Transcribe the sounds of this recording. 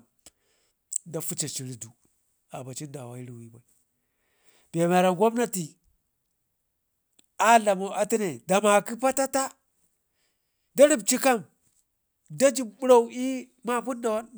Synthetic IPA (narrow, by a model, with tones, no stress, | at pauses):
da˦fu˦t͡ʃa˨t͡ʃi˨ɾi˨du˨ | a˨ba˨t͡ʃi˦nda˨wa̰˨i˦ɾi˨wi˦ba˨i˨ | b̥e˨ma˨ɾa˨ŋɡʷa˦bna˦ti˨ | a˦la˨mo˨ʔa˨ti˦ne˨da˨ma˨ki˦pa˦ta˦ta˦ | da˦ɾi˦b̚t͡ʃi˦ka˦˨m | da˦d͡ʒi˦˨bɓu˦ɾa˦˨u˨i˦ | ma˦pu˦nda˨wa˦n